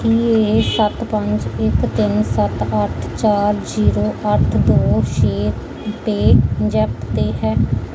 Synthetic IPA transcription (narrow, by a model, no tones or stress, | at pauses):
kiːeːsət̪pə̃ɲd͡ʒɪkt̪ɪnsət̪əʈʰt͡ʃaːɾziːɾoːʔəʈʰd̪oːʃeːt | peːd͡ʒɛpt̪eːɦɛː